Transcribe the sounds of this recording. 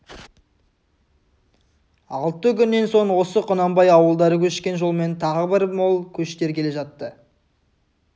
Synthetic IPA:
ɑlˠt̪ːəkʲʏnːe̞nso̞ɴwo̞səqʰʊnɑmbɑjɑwəlˠd̪ɑɾəkʲʰɵʃkʲe̞nʒo̞lˠme̞nt̪ʰɑʁəbɪɾmolˠkʲʰɵʃt̪e̞ɾkʲʰe̞le̞ʒɑt̪ːə

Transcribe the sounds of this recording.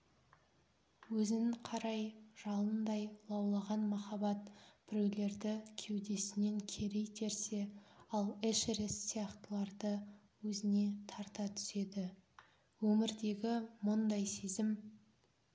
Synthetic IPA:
wɵzɪnɪqʰɑɾɑjʒ̥ɑlˠənd̪ɑjlˠɑwlˠɑʁɑnmɑχɑbɑt̪b̥ɪɾewle̞ɾd̪ɪkʲʰe̞wd̪e̞sɪne̞ŋkʲʰe̞ɾe̞jt̪ʰe̞ɾse̞ɑlˠeʃɾesːijɑqt̪əlˠɑɾd̪ə | wɵzɪne̞t̪ʰɑɾt̪ɑt̪ʰʏ̥se̞d̪ɪ | wɵmɪɾd̪e̞ɡʲɪmʊnd̪ɑjse̞zɪm

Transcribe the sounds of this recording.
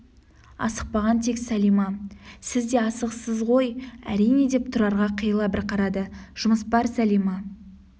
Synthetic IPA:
ɑ̰səq̚pɑʁɑnt̪ʰe̞ksælijmɑsɪzd̪e̞ɑsəqsəzʁo̞jæ̰ɾijne̞d̪e̞p̚t̪ʰʊɾɑɾʁɑqʰəjəlˠɑbɪɾqʰɑɾɑd̪əʒ̥ʊməspɑɾsælijmɑ

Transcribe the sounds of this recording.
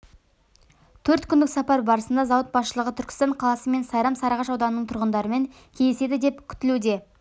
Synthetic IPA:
t̪ʰɵɾt̪kʲʰʏnd̪ɪksɑpɑɾbɑɾəsənd̪ɑzɑwət̪̚bɑsʃəlˠəʁət̪ʰʏɾkʲɪ̥st̪ɑɴqʰɑlˠɑsəme̞nsɑjɾɑmsɑɾɑʁɑʃɑwd̪ɑnənəɴt̪ʰʊɾʁənd̪ɑɾəme̞ŋ | kʲʰej̪se̞d̪ɪd̪e̞pkʲʰʏ̥t̪ɪlud̪e̞

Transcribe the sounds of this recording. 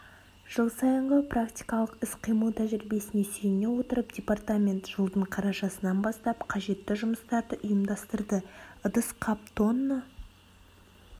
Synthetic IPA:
ʒ̥əlˠsɑjəɴʁəprakt̪ʲijkɑlˠəqɪsqʰijmət̪ʰæʒɪɾɪbe̞sɪne̞sejne̞wo̞t̪əɾəpdʲe̞part̪amʲe̞nt̪ʒ̥əlˠd̪əɴqʰɑɾɑʃɑsənɑnbɑst̪ɑpqʰɑʒe̞t̪ːɪʒʊməst̪ɑɾd̪əʔʊjəmd̪ɑst̪əɾd̪əʊd̪əsqʰɑp̚t̪o̞nːə

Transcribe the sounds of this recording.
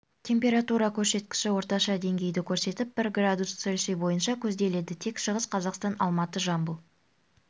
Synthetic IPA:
t̪ʲʰe̞mpʲe̞ɾat̪uɾɑkʲʰɵɾse̞t̪kʲɪ̥ʃɪwo̞ɾt̪ɑʃɑd̪e̞ŋɡʲe̞jd̪ɪkʲʰɵɾse̞t̪ɪp̚b̥ɪɾɡrad̪usɵlʲʃebo̞jənʃɑkʲʰɵzd̪e̞le̞d̪ɪt̪ʰe̞kʃəʁəsqʰɑzɑqst̪ɑnɑlˠmɑt̪əʒɑmbəlˠ

